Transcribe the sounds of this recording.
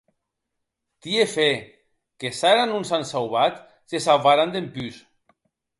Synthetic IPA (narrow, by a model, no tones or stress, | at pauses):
t̪iefe | kesaɾanunsansawβat̪ | sesalβaɾand̪empys